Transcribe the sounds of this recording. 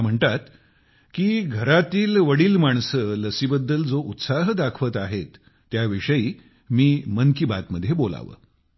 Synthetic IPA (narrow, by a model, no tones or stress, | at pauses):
am̤əɳt̪at̪ | kiːɡʱəɾat̪iːlʋəɽiːlmaɳ̃sələsibəd̪ːəld͡zoʔut̪saɦd̪akʰʋət̪aɦet̪ː | jaʋiʂəiː | miːmənkiba̰t̪məd̪ʱjebola̰ʋə̰